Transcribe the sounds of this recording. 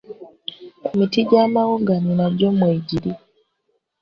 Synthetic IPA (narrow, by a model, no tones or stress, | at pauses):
emitiɟaːmawoɡanonaɟomweːɟiɾi